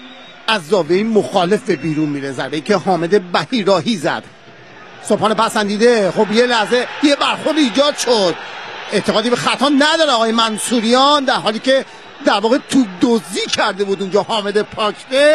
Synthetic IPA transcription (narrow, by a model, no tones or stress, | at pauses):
ʔæzd̪ɒːveiːmoxɒːle̞fbebiːɾunmiːɾezæɾbeiːcʰeɦɒːme̞d̪e̞bæhiːɾɒːɦiːzæ̰d̪̥ | sophɒːnepæsænd̪iːd̪exobjelæhze̞jebæɾxo̞ɾd̪iiːd͡ʒɒːd̪̥ʃod̪e̞ʔt̪ʰeʁɒːd̪ibexæt̪ʰɒːnæd̪ɒːɾeɒːɣɒːjemænsuːɾijɒːnd̪æɾɦɒːliːcʰe̞ | d̪æɾvɒːɣe̞t̪ʰud̪oziːcʰæɾd̪e̞buːd̪und͡ʒɒːhɒːme̞d̪epʰɒːcʰɾe